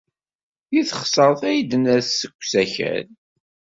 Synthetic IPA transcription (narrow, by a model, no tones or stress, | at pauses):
jiθχsˤəɾˤθæjd̪ənæθsəkʷːsæçæ̰n